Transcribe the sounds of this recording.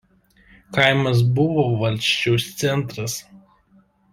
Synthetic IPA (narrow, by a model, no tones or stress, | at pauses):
kɐɪmɐs̬bʊʋoːʋɐlʲˑʃʲt͡ʃʲɛʊst̪sʲɛnˑt̪ɾɐs